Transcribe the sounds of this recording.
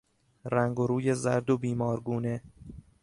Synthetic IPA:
ræŋɡoɾuːje̞zæɾd̪obiːmɒːɾɡuːne̞

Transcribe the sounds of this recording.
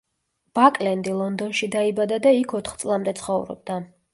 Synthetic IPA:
b̥akʼlɛnd̪ilˠɔnd̪ɔnʃid̪aibad̪ad̪aikʰɔt̪ʰχt̪sʼlˠamd̪ɛt̪sʰχɔvɾɔ̰b̚d̪a

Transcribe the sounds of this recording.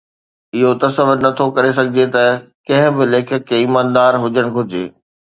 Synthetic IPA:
ɪɦot̪ɐsɐʋʊɾnɐt̪ʰokɐɾes̬ɐɡʱɪd͡ʑet̪ɐkɐ̃ɦɪ̃bɪleːkʰəkːeiːmãːnd̪aːɾɦʊd͡ʑəɽ̃ɡʱʊd͡ʑḛː

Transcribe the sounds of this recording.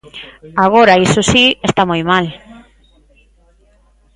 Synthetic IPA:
aɣ̞oɾaisosiest̪amojmal

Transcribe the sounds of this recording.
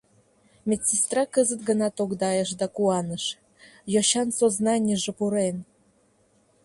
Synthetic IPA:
mʲetʲsʲist̪ɾɑkəzət̪ɡə̆nɑt̪oɡd̪ɑjəʃ̬d̪ɑkuɑnəʃ | joɕɑnsoznɑnʲjəʒĕpuɾen

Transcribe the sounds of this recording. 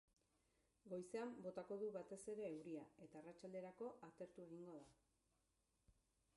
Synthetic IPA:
ɡo̞jse̞ambo̞t̪ako̞ðuβat̪e̞se̞ɾe̞ːwɾiae̞t̪aːrat͡ʃald̪e̞ɾako̞ʔat̪e̞ɾt̪ue̞ɣ̞iŋɡo̞ða

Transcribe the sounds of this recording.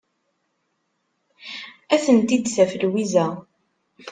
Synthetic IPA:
æθənt̪id̪sæfəlwizæ

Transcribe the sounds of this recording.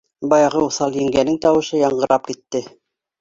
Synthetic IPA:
bɑjɑʁɤuθɑlˠjɘ̆ŋɡænɘŋt̪ɑwɤ̆ʃɤjɑɴɢɤ̆ɾɑp̚kit̪ːɘ

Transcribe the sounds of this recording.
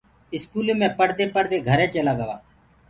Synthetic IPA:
ɪskuːleːmẽːpəɽd̪eːpəɽd̪eːɡʱəɾẽːt͡ʃəlaːɡəʋaː

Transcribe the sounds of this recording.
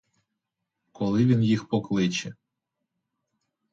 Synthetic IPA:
kɔlˠɪʋʲinjixpɔklˠɪt͡ʃɛ

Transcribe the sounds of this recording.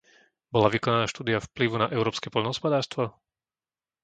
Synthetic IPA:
bɔlaʋikɔnanaːʃt̪uːd̪iafpliʋunaʔɛʊɾɔːpskɛpɔʎnɦɔspɔd̪aːɾst̪ʋɔ

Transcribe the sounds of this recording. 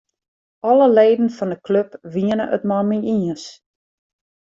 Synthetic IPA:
ɔləleːdən̩fɑndəkløpʋiənə̰ʔə̰tmɔlmiiəs

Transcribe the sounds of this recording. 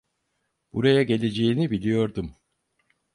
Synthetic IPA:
b̥uɾajaɟe̞lʲe̞d͡ʒe̞jinibilʲijo̞ɾd̪um

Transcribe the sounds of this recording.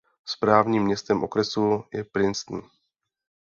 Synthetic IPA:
spɾaːvɲiːmːɲɛst̪ɛmʔo̞kɾɛsujɛpɾɪnst̪n̩

